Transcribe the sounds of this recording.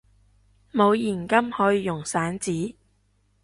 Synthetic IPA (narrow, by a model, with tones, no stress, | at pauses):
mo˨˧wjiː˨˩nkɐ˥mhɔː˨˥jiː˨˧jʊ˨˩ŋsaː˨˥nt͡siː˨˥